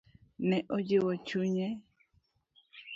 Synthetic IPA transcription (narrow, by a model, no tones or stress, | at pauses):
nɛʔod͡ʒewot͡ʃuɲɛ